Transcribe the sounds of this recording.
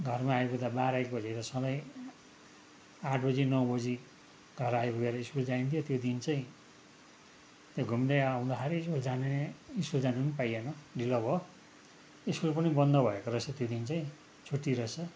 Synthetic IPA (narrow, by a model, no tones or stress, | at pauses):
ɡʱʌrmaːjbʱud̪abaɾaikbʌd͡ziɾʌsʌbʌj | aʈʰbʌd͡zinʌwbʌd͡zi | ɡ̥ʱʌɾajbʱuɡeɾʌiskuld͡zaint̪ʰijot̪jod̪int͡saĩ | t̪joɡʱumd̪eaw̃d̪akʰaɾiiskuld͡zaneneiskuld͡zaninipajenʌɖilʌbʱʌ | iskulpʌnibʌnd̪ʌbʱʌekoɾʌt͡sʰʌt̪jod̪int͡saĩ | t͡sʰuʈːiɾʌt͡sʰʌ